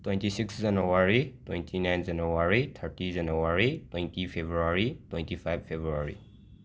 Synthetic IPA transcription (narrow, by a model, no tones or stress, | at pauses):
twej̃ntisiksd͡ʒɐnuwaɾitwejntʰinajnd͡ʒanuwaɾit̪ʰɐɾtid͡ʒɐnuwaɾitwejntʰipʰebɾuaɾitwej̃ntʰipʰajb̚pʰːebɾuaɾḭ